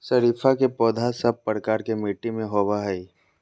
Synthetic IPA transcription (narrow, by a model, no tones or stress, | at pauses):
sɐɾiːfʰakepɔːd̪ʱasɐb̚pəɾkaːɾkemiːʈimẽɦoːbaɦɛi